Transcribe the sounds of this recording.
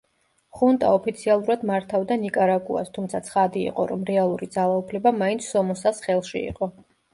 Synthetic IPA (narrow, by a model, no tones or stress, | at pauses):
χunt̪ʼa̰ɔpʰit̪sʰialˠuɾad̪maɾt̪ʰavd̪anikʼaɾakʼṵa̰st̪ʰumt̪sʰat̪sʰχad̪ḭːqʼɔɾɔmɾɛalˠuɾid̪zalˠaupʰlɛbamaint̪sʰɔmɔsasχɛlˠʃḭḭqʼɔ